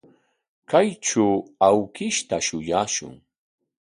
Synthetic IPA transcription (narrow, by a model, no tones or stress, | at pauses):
kajʈ͡ʂuawkɪʃt̪aʃʊjaːʃʊ̰ŋ